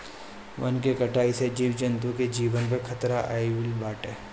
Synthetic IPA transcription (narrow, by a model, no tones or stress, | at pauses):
ʋɐ̰nkekɐʈaːised͡ʒiːʋd͡ʒɐnt̪ũked͡ʒiːʋənpekʰɐt̪ɾaʔa̰ːiʋɪlbaːʈeː